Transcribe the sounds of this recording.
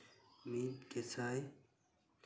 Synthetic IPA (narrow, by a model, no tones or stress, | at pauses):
miːt̪ket͡sʰaːj